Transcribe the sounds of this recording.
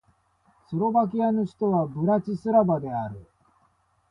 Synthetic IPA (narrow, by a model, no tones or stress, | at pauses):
sɨɾo̞bak̬ʲiano̞ɕi̥t̪o̞βabɯ̟ɾat͡ɕisɨɾabad̪e̞aɾɯ̟